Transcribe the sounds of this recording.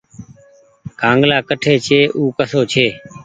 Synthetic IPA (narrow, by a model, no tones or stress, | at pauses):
kãːŋɡlaːkəʈʰeːt͡ʃʰeːʔuːkəsoːt͡ʃʰeː